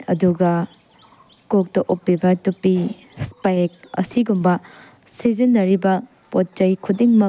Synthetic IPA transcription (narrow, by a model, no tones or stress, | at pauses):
ɐ̰duɡɐ | kok̚tɐʔupːibɐtupːi | spak̚ɐ̰siɡumbɐ | sizinːɐɾibɐ | pot̚t͡ʃɐjkʰudiŋmɐ